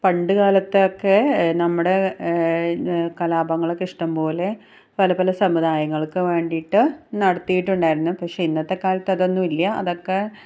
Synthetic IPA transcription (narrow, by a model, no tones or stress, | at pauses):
pɐɳɖɨkaːlɐt̪ːeokːe̞nɐmːuɽe̞ | kɐlaːbɐŋːɐɭekiʂʈɐmpo̞ːle̞ | pɐlɐpɐlɐsɐmuðaːjɐŋːɐɭkɨʋe̞ːɳɖijʈːɨnɐɽɐt̪ːijiʈːuɳɖaːjiɾunːupɐkʂeinːɐt̪ːe̞kaːlɐt̪ːɐðo̞nːumilːjɐɐ̰ðo̞kːe̞